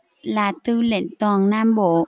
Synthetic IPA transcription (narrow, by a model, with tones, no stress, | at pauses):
laː˨˩t̪ɨ˧˩lḛ˧˨nt̪ɔː˨˩ŋnaː˧mɓo̰˧˨